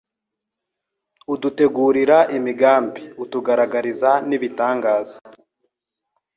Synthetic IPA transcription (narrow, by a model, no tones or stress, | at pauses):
udute̞ɡuːɾiɾaʔimiɡaːmbiutuɡaɾaɡaɾizaniβitaːŋɡaːza